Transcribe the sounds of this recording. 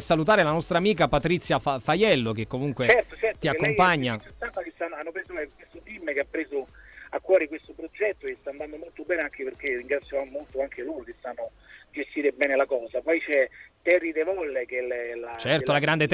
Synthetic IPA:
salut̪̬aːɾelanɔst̪ɾaːmiːk̬apat̪ɾit̪sːjafafajɛlːok̟ekːomuŋkwet͡ʃɛrt̪ot͡ʃɛrtt̪iakkːompaɲːat͡ʃet̪anːakesanːanːopɾeːzoajkwest̪ot̪imːkeapːɾeːzoakːwɔːɾikwest̪opɾod͡ʒɛt̪ːost̪aːnd̪and̪omolt̪obɛːneaŋk̟eperk̟eriŋɡɾat̪sːjovammolt̪oaŋkʰeloːɾok̟esanːo | d͡ʒest̪iːɾebɛːnelakɔːzapɔjt͡ʃɛt̪ɛrːid̪evɔlːek̟elɛlat͡ʃɛrt̪olaɡɾand̪et̪

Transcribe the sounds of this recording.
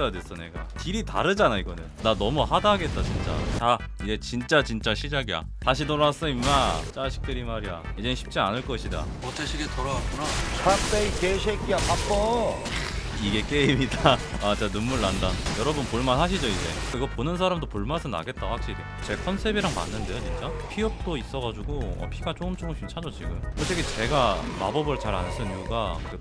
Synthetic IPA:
ʌjades͈ʰʌne̞̰ɡa̰kiɾita̰ɾɯd͡ʑanaiɡʌnɯnnanʌmuhadaɦaɡe̞t̚t͈at͡ɕint͡ɕ͈a̰taid͡ʑe̞t͡ɕint͡ɕ͈at͡ɕint͡ɕ͈aɕʰid͡ʑaɡija̰ | taɕ̬ʰitoɾaas͈ʌimːat͡ɕ͈aɕʰi̥k̚t͈ɯɾimaɾia̰id͡ʑeiɕʰi̥p̚t͡ɕ͈ianɯɭk͈ʌɕʰida̰ | otʰeɕʰiɡetoɾaak͈unat͡ɕʰak̚t͈eikeɕʰekiapap͈ʌ | iɡe̞k͈e̞imidaat͡ɕanunmuɭːandanjʌɾʌbɯnpoɭmanɦaɕ̬ʰid͡ʑoid͡ʑe̞̰iɡʌponɯnsʰaɾamdopoɭmasʰʌna̰ɡe̞t̚t͈ahak̚ɕ͈iɾi | t͡ɕe̞kʰʌnsʰe̞biɾaŋma̰nːɯnde̞jot͡ɕint͡ɕ͈apʰiʌp̚t͈ois͈ʌɣad͡ʑuɡoʌ̰pʰiɡat͡ɕ͈oɯmt͡ɕ͈oɯmɕʰimt͡ɕʰad͡ʑʌt͡ɕiɡɯmkɯtʰeɡet͡ɕe̞ɡama̰bʌbɯɭt͡ɕaɾa̰ns͈ɯnijuɡakɯ

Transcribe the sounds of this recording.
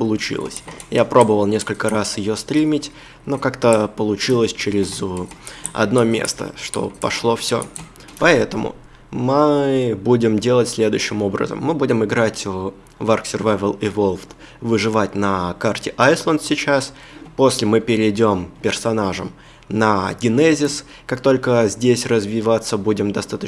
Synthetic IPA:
pəlˠʊt͡ɕḭlˠə̰sʲjapɾo̞bəvəlˠnʲe̞skəlʲkəɾasjɪjo̞st̪ɾʲimʲɪtʲ | no̞kakt̪əpəlˠʊt͡ɕilˠəsʲt͡ɕeɾʲɪz | ɐ̰d̪no̞mʲḛst̪ə̰ʂt̪o̞̰pɐ̰ʂlˠo̞fsʲo̞̰ | pɐɛt̪əmʊ̰ | mɨbudʲɪmdʲe̞lˠətʲsʲlʲe̞d̪ʊ̰jʉɕːɪmo̞bɾə̰zə̰mːɨbudʲɪmɨɡɾatʲ | varksʲɪrvavʲəlˠɪvo̞lˠft̪ | vɨʐɨvatʲnɐkartʲɪʔajslˠənd̪sʲɪt͡ɕas | po̞sʲlʲɪmɨpʲɪɾʲɪdʲo̞mpʲɪrsɐnaʐə̰m | nəɡʲɪnɛzʲɪs | kak̚t̪o̞lʲkəzʲdʲesʲrəzvʲɪvat̪sːəbudʲɪmd̪ɐst̪at̪ə

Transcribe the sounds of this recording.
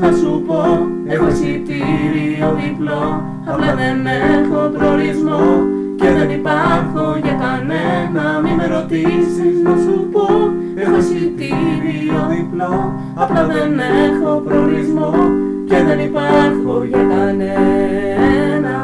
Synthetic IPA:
θɐsupo̞ | e̞xosit̪iɾioðiplo | ɐplɐðe̞nexo̞pɾoɾizmo | ce̞ðe̞nipaɾxo̞ʝekɐnenɐmimeɾo̞t̪isiznɐsupo̞ | e̞xo̞sit̪iɾioðiplo | ɐplɐðe̞nexo̞pɾoɾizmo | ce̞ðe̞nipaɾxoʝɐkɐne | nɐ

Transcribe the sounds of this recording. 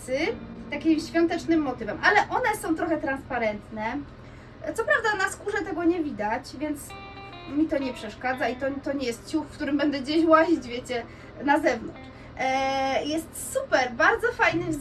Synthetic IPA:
sɘt̪akʲimɕfʲjɔ̃nt̪ɛt͡ʂnɘmːɔt̪ɘvɛmʔalɛʔɔnɛsɔ̃w̃t̪ɾɔxɛt̪ɾanspaɾɛnt̪nɛ | t̪sɔpɾavd̪anaskuʐɛt̪ɛɡɔɲɛvʲid̪at͡ɕvʲjɛnt̪s | mʲit̪ɔɲɛpʂɛʂkad̪zait̪ɔt̪ɔɲɛjɛst̪̚t͡ɕufkt̪uɾɘmbɛnd̪ɛɡd͡ʑeɕwaʑid͡ʑvʲjet͡ɕɛ | nazɛvnɔnt͡ʂ | jɛst̪supɛɾbaɾd̪zɔfajnɘv

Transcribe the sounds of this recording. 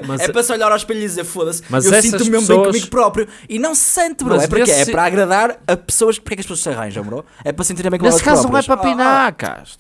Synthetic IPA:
mɐɛpɾɐsɔʎaɾawʃpeʎðizeɾfoðɐsmɐzewɛsĩnumewmĩkɐmiɣupɾɔpɾjuinɐ̃w̃ssẽnt̪bɾoɛpuɾkeɛpɾɐaɣɾɐðaɾɐpɨ̥soɐʃpuɾkɛkɐʃpsoɐʃsɐʁa̰j̃ʒɐ̰̃w̃mɾoɛpɾɐs̬ẽnt̪iɾɐ̃mẽkɛkazɾɐnɐ̃w̃ɛpɾɐpinaka̰ʃt̪

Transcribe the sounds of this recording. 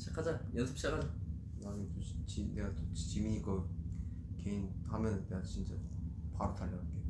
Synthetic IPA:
t͡ɕʰakʰːad͡ʑajʌnsʰɯ̥p̚ɕ͈akʰad͡ʑa | nanɯtot͡ɕineɡatot͡ɕt͡ɕimiɲikʌ | keinhamjʌnɯnːeɡat͡ɕint͡ɕ͈a̰paɾotʰaʎːʌnanke

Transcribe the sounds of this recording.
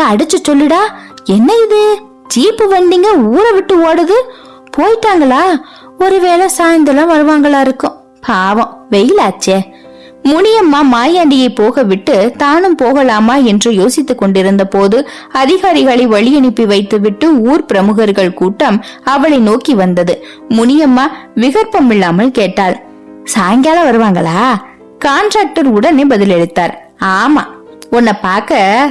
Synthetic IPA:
ɐɐɽɯt͡ʃːɯt͡ʃɔlːɪɽaːɛnːɐɪðɯ | d͡ʒiːpːɯʋɐnd̪iːŋɡɐuːɾɐʋɪʈːɯoːɽɐðɯ | pʰoːjɪʈ̪ːaːŋɡɐɭaː | ɔɾɯʋeːlɛsaːjɐnd̪ɐlaːʋɐɾɯʋaːŋɡɐɭaːɪɾɯkːɯ̃ | pʰaːʋɐ̃ʋɛjɪlaːt͡ʃːɐ | mʊɳɪjɐmːaːmaːjaːɳɖɪjɐɪpoːɣɐʋɪʈːɯt̪aːnɯmpoːɣɐlaːmaːɛndrɯjoːsɪt̪ːɯkːɔɳɖɪɾɯnd̪ɐpoːðɯ | ɐðɪɣaːɾɪɣɐɭɐɪʋɐɭɪjɐɳɪpːiʋɐɪt̪ːɯʋɪʈːɯuːɾpɪɾɐmɯɣɐɾɣɐɭkuːʈːɐmɐʋɐɭɐɪnoːkiʋɐnd̪ɐðɯ | mʊɳɪjɐmːaːʋɪɣɐɾpɐmɪɭːaːmɐlkeːʈːaːɭ | saːŋɡjaːlɐʋɐɾɯʋaːŋɡɐɭaː | kaːnɖɾaːk̚ʈɐɾʊɽɐnebɐðɪlɛɻɯt̪ːaːɾ | aːmaː | ɔnːɐpaːɾkɐ

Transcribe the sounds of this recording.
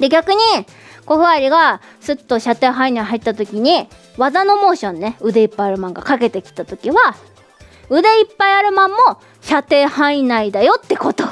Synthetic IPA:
d̪e̞ɡʲakɯ̟ɲ̟i | ko̞ɸɯ̟aɾʲiɡa | sɨt̪ːo̞ɕat̪e̞ːɦainaiɦait̪ːat̪o̞kʲiɲ̟i | βazano̞mo̞ːɕõ̞nːe̞ɯ̟d̪e̞ipːaiaɾɯ̟mãŋɡakake̞t̪e̞kʲi̥t̪at̪o̞kʲiβa | ɯ̟d̪e̞ipːaiaɾɯ̟mãmːo̞ | ɕat̪e̞ːhainaid̪ajo̞t̪ːe̞ko̞t̪o

